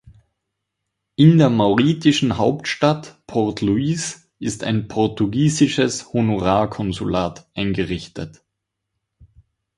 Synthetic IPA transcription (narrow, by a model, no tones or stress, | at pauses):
ʔɪndeːɐmaʊʁiːtɪʃn̩ɦaʊptʃtatpʰɔtʰluiːs | ʔɪsta̰ɪnpʰɔʁtuɡiːzɪʃəshonoʁaːkʰɔnzulaːtʔaɪnɡəʁɪçtə̰t